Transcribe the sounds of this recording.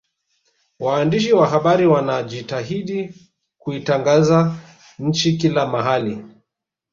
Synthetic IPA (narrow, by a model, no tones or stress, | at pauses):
waːndiʃ̬iwaɦaɓaɾiwanaʄitaɦiɗi | kuitaŋɡaza | ɲ̩t͡ʃikilamaɦali